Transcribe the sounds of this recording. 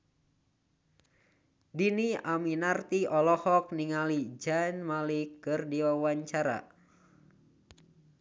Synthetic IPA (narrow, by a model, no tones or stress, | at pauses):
diniaminart̪iɔlɔhɔk̚niŋalid͡ʒanmalikːɨrdiwawaɲt͡ʃaɾa̰